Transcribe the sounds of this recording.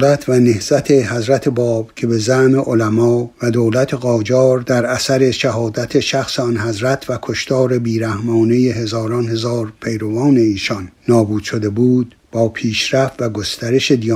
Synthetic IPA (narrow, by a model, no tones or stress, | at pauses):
læt̪ʰvænehz̥æt̪ʰe̞hæzɾæt̪ʰe̞bɒːb̥cʰe̞be̞zæhmeʔolæmɒːvæd̪oːlæt̪ʰe̞ɣɒːd͡ʒɒːɾd̪æɾæsæɾe̞ʃæɦɒːd̪æt̪ʰe̞ʃæxseɒnɦæzɾæt̪ʰvækʰoʃt̪ʰɒːɾe̞biːɾæhmɒːnejehe̞zɒːɾɒnhe̞zɒːɾpʰe̞jɾovɒːne̞iːʃɒnːɒːbuːd̪̥ʃod̪e̞buːd̪̥ | bɒːpʰiːʃɾæft̪væɡo̞st̪æɾe̞ʃe̞d̪iː